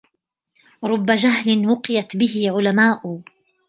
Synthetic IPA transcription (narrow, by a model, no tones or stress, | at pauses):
ɾˤʊbːad͡ʒaɦlɪnwʊqɪjat̪bɪhɪʕʊlamaːʔʊ